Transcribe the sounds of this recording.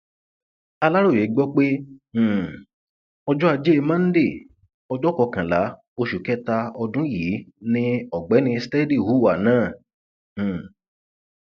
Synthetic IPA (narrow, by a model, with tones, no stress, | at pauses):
a˧la˦ɾo˦˨je˨˦ɡ͡bɔ˦k͡pẽ˦˨ | ɔ˧d͡ʒɔ˦a˧d͡ʒe˦e˧mã˦n̩˦de˦˨ | ɔ˧d͡ʒɔ˦kɔ˧kã˨la˨˦ | o˧ʃu˨kɛ˦ta˧ɔ˧dũ˦ji˨˦nĩ˦ɔ˨ɡ͡bɛ˨˦nĩ˧stɛ˦di˦˨wu˨˦˨wa˨nãː˦˨